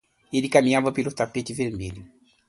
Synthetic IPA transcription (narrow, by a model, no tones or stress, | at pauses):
elikamĩãvapelut̪apet͡ʃiveɾmelu